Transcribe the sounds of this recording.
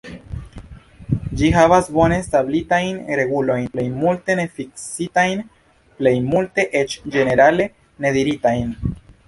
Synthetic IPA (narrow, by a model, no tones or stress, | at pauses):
d͡ʒiɦavasbo̞ne̞stablitajnɾe̞ɡulo̞jnple̞jmulte̞ne̞fiksitajn | ple̞jmulte̞ʔe̞t͡ʃd͡ʒe̞ne̞ɾale̞ | ne̞d̪iɾitajn